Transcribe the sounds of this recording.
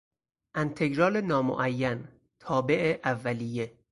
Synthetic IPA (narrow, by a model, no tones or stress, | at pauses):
ʔænt̪ʰe̞ɡɾɒːlenɒːmo̰ʔæjːæn | t̪ʰɒːbe̞ʔeʔævːælije̞